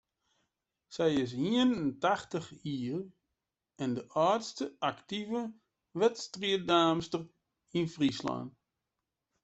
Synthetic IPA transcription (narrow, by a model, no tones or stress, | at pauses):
sɛjɪs̬ɦiənəntaxtəχiːr | ɛndəʔaːtstəʔaktivə | ʋɛtstriədaːmstər | infrisla̰nt